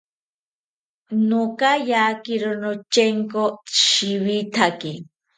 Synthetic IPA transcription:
nokajakiɾonot͡ʃeŋkoʃiwit̪ʰaki

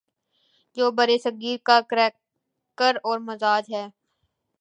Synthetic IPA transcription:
d͡ʒoːbəɾesəɡiːɾkakɾɛː | kəɾɔːɾməzaːd͡ʒɦɛː

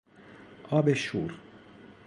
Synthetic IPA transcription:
ʔɒːbeʃuːɾ

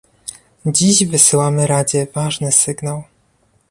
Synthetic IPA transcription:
d͡ʑiʑvɘsɘwamɘɾad͡ʑɛvaʐnɘsɘɡnaw

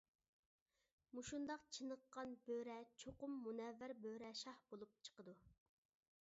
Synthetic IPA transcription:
muʃund̪ɑqt͡ʃʰɨnəqːɑnbøɾɛt͡ʃʰoqʊmːunɛvːæɾbøɾɛʃɑhb̥olˠup̚t͡ʃʰə̥qəd̪u

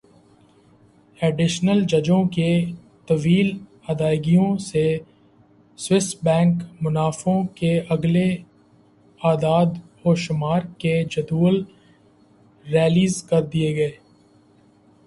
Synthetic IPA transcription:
ɛːɖɪʃnəld͡ʒɐd͡ʒõke | t̪ɐʋiːl | ɐd̪aːɪɡijõse | swɪsʈbɛ̃ːŋkmʊnaːfõkeʔɐɡle | aːd̪aːd̪hoːʃʊmaːɾked͡ʒɐd̪uːl | ɾɛːliːzkɐɾd̪ieɡɐeː

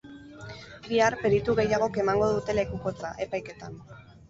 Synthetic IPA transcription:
biaɾpe̞ɾit̪uɣe̞jaɣ̞o̞ke̞maŋɡo̞ð̞ut̪e̞le̞kuko̞t͡saʔe̞pajke̞t̪an

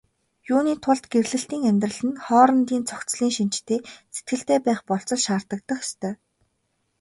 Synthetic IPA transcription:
juːniːt̪ʰʊɮt̪ɡerɮɘ̆ɬt̪iːŋæmʲt̪rə̆ɮɘ̆nχɔːɾə̆nt̪iːnt͡sʰɔkt͡sɮiːŋʃin̥t͡ɕt̪ʰeːset̪̚ɡɘ̆ɬt̪eːpæːχpɔɬt͡sɞ̆ɮʃaːr̥t̪ə̆k̚t̪ə̆χest̪ʰœː

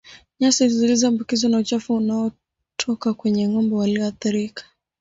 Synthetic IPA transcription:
ɲasizilizambukizɔnaut͡ʃafuunaɔ | tʰɔkakwɛɲɛŋɔmbɔwaliɔaθiɾikḁ

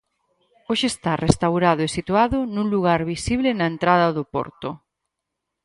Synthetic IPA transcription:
oʃeːst̪arest̪awɾaðʊesit̪uaðʊnũŋluɣ̞aɾβisiβlɪnɐent̪ɾaðɐðʊpɔ̰ɾt̪ʊ

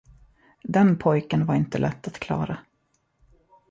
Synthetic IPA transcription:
d̪ɛnpʰɔjkənvaɾɪnt̪əlɛt̪ːat̪kʰlɑ̰ːɾa

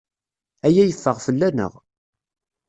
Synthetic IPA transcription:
æjæjəfːəʁfəlːænə̰ʁ

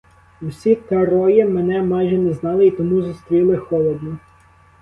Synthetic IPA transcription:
wsʲit̪ɐɾɔjimɛnɛmɑjʒɛnɛznɑlˠɪit̪ɔmuzʊst̪ɾʲilˠɪxɔlˠɔd̪nɔ

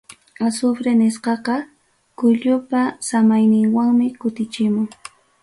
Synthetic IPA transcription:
asʊfɾenɪsqɑqɑ | kʊʎʊpasamajnɪŋwaŋmɪkʊt̪ɪt͡ʃɪmʊŋ

